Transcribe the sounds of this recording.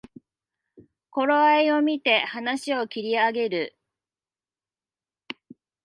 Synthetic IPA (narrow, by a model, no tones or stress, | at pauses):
ko̞ɾoaio̞mʲit̪e̞hanaɕio̞kʲiɾʲiaɡe̞ɾɯ